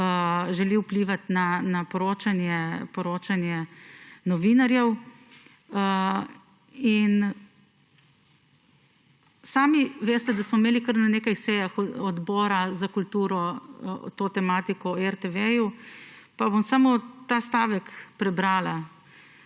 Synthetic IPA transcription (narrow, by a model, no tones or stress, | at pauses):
ʒɛliwpliːʋat̪nanapɔɾoːt͡ʃanjɛpɔɾoːt͡ʃanjɛnɔʋinaɾjɛw | ə | in | saːmiʋeːst̪ɛd̪asmɔimeːlikəɾnaneːkajsɛːjaxɔd̪bɔːɾazakult̪uːɾɔt̪oːt̪ɛmaːt̪ikɔɛɾt̪ɛʋɛju | pabomsamot̪aːst̪aːʋɛkpɾɛbɾaːla